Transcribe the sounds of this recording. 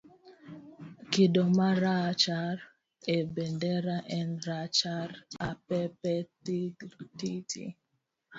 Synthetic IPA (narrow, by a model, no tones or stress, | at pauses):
kidɔmaɾat͡ʃaɾ | ɛbɛndɛɾaʔɛnɾat͡ʃaɾapɛpɛ | titʰḭ